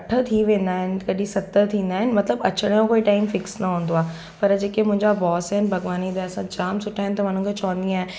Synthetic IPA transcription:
ɐʈʰət̪ʰiʋẽːn̆d̪aːɦɪnɪ̆kɐɗĩsɐt̪ət̪ʰĩːnd̪aːɦɪnɪ̆mɐt̪ləbɐt͡ɕəɽ̃jõkoːiʈaːɪmfɪksnɐɦũːnd̪oaː | pɐɾd͡ʑeːkemʊ̃ɦɪ̃ɲd͡ʑabɔːsɦɛnɪ̆bʱɐɡʋaːnid̪aɛsãd͡ʑaːmsʊʈʰaːɦɪ̃nɪt̪ɐʋan̤ənkʰet͡ɕɔ̃ːnd̪iãːɦe

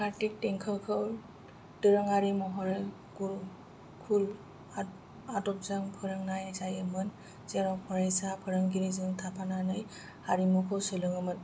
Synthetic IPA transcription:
kaɾtik̚teŋkʰɯwkʰɯw | dɯɾɯŋaɾimɔɦɔɾe | kuɾ | kʰul | a | atɔp̚zaŋpʰɯɾɯŋnajasajɯmɯn | zeɾɔpʰɔɾajsapʰɯɾɯŋɡiɾizɯŋtʰapʰananɯj | haɾimɔkʰɯwsɯlɯŋɯmɯn

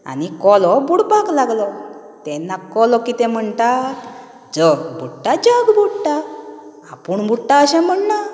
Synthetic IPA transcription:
a̰nikɔlɔbuɽpaɡlaɡlɔ | t̪ɛ̃nːakɔlɔkit̪ɛ̃m̤əɳt̪a | d͡zəbʱuʈːad͡ʑəɡbʱuʈːa | a̰puɳbʱuʈːaəɕɛ̃m̤əɳna

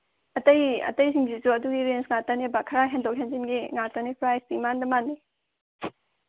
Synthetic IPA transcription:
ɐtɐjɐ̰tɐjsiŋɡizuɐduɡiɾensŋatɐnebakʰɐɾaɦendok̚ɦenzinɡiŋatɐnipʰɾajsdimandɐmanːi

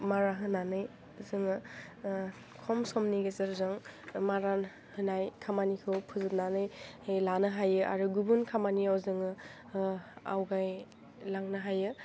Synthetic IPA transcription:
maɾaɦɯnanɯj | zɯŋɯ | kʰɔmsɔmniɡezɐɾzɯŋmaɾan | hɯnajkʰamanikʰɯwpʰuzɯt̚nanɯjhejlanɯɦajɯʔa̰ɾuɡubunkʰamaniawzɯŋɯ | a̰wɡaj | laŋnɯɦajɯ

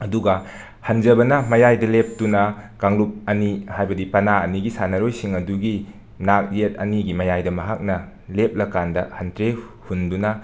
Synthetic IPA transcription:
ɐduɡɐ | hɐnd͡ʒɐbɐnɐmɐjajdɐlep̚tunɐkaŋlup̚ɐnihajbɐdipɐnaɐniɡisanɐɾojsiŋɐduɡi | nak̚et̚ɐ̰niɡimɐjajdɐmɐɦak̚nɐ | lep̚lɐkandɐhɐntɾehundunɐ

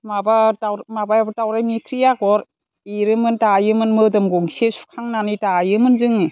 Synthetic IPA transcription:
mabatawmabajbtawɾajmikʰɾijaɡɔɾ | eɾɯmɯntajɯmɯnmɯdɯmɡɔŋsesu̥kʰaŋnanitajɯmɯnzɯŋ

